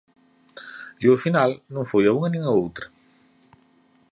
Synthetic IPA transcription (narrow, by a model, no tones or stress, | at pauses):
iofinalnũŋfojauŋɐnĩŋaowt̪ɾɐ